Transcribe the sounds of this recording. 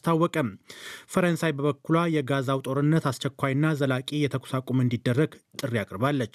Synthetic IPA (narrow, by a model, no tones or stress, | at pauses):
st̪ʰawːɔkʼəmfəɾənsajbəβəkːulajɛɡazawt̪ʼo̞ɾɨnːət̪ast͡ʃɛkʷːajɨnːazəlakʼijɛt̪ʰəkʰʷu̥sakʼumɨnd̪id̪ːərːəɡt̪ʼɨrːiakʼɾbalːət͡ʃː